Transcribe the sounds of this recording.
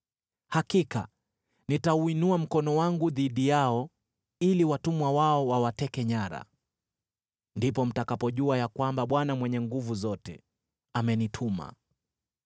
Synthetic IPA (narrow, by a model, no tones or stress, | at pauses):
hakika̰ | nitauinuam̩kɔnɔwaŋɡuðiɗijaɔ | iliwatumwawaɔwawatɛkɛɲaɾa̰ | ndipɔm̩takapɔʄuajakwambaɓwanamwɛɲɛŋɡuvuzɔtɛ̰ | amɛnitʰuma̰